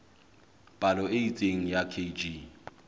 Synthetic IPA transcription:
pʼalɔeit͡sʼeŋ̩jakʰed͡ʒi

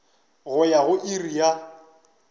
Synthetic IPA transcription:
ɣʊjaɣʊʔirija

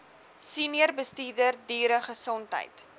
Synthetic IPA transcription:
siniərbəstiːrdərdiːɾəχəsɔntɦə̰jt

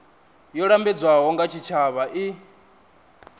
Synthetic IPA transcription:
jɔɺambɛd͡zwaɦɔŋɡat͡ʃʰit͡ʃʰaβaʔi

